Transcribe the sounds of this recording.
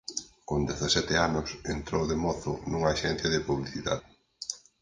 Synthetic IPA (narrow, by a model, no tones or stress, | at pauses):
kond̪eθasɛt̪ɪanʊsent̪ɾowðemɔθʊ̰nuŋɐːʃɛn̟θjɐðɪpuβliθiða̰ðɪ